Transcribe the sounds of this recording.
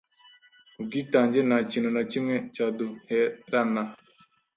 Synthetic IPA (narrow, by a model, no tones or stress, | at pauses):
uɡitaɲd͡ʒenat͡ʃinonat͡ʃimɛt͡ʃadohɛɾana